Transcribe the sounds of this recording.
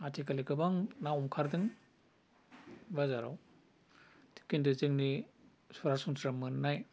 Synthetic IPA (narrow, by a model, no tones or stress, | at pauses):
atʰikalikɯbaŋnawɔmkʰaɾdɯŋ | bazaɾa̰w | tʰi̥kindɯzɯŋni | suɾasuŋsɾamɯnnaj